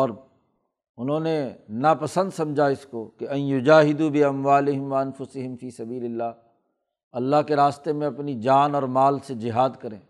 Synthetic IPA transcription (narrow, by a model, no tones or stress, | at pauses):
ɔːɾ | ʊnɦõːnenɐpɐsə̃nd̪sɐ̃md͡ʒʱaɪskokeɐ̃njʊd͡ʒaːɦɪd̪ubɪɐmʋaːlɪɦɪmʋɐɐnfʊsɪɦɪmfiːsɐbiːlɪlːaː | ɐlːaɦkeɾaːst̪emẽɐpnid͡ʒaːnɔːɾmaːlsed͡ʒɪɦaːd̪kɐɾḛ̃ː